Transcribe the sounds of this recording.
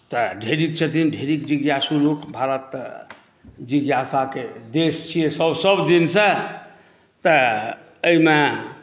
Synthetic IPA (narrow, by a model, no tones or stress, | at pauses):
t̪əɖʱeɾikt͡ʃʰət̪ʰinɖʱeɾikd͡ʒiɡjasulokbʱaɾət̪ | d͡ʒiɡjasaked̪est͡ʃʰijesəbsəbd̪insə̃ | t̪ə | əime